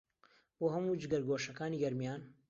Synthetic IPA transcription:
boːhɐmuːd͡ʒɨɡɐɾɡoːʃɐkaːniːɡɐɾmijaːn

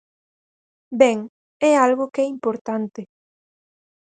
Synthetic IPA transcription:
bɛŋ | ɛalɣʊkɛimpoɾt̪ant̪ɪ

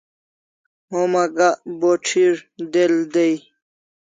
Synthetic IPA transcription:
homɐɡaʔboʈ͡ʂʰiɾd̪eld̪ej

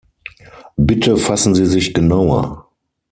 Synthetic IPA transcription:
bɪtʰəfasn̩ziːzɪçɡ̥ənaʊɐ̰

